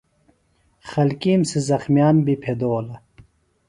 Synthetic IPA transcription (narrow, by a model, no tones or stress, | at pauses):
χɐlkiːmsizɐxmjaːnbipʰed̪oːlɐ